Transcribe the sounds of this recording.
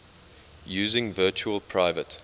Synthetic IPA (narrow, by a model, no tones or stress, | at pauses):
jʉːzɪ̃ŋvɜˑt͡ʃuəlˠpʰɹ̥aɪvət